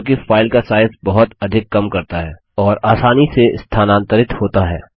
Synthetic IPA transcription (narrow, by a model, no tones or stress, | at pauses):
k̬ifaːɪlkasaːɪzbɐɦʊt̪ɐd̪ʱɪkːɐmkɐɾt̪aɦɛː | ɔːɾaːsaːniseɪst̪ʰaːnãːnt̪əɾɪt̪hoːt̪aɦɛ̰ː